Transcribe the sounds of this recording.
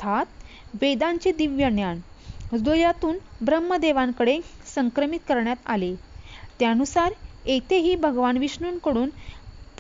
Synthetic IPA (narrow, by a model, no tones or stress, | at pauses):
at̪ | ʋed̪aɲt͡ɕed̪iʋjəɳjaɳ | d̪oljat̪uːnbɾəmːəd̪eʋãŋkəɽesəŋkɾəmit̪kəɾɳjat̪alet̪janusaɾet̪ʰeɦiːbʱəɡʋanʋiɕɳuːnkəɽuːnp